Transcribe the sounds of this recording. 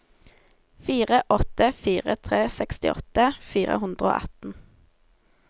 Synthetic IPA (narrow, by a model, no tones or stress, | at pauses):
fiːʁəʔɔt̪əfiːʁə̰t̪ʰʁeːsɛkst̪ɪ̰ʔɔ̰t̪əfiːʁə̰hʉnd̪ʁəo̰ːʔɑ̰t̪n̩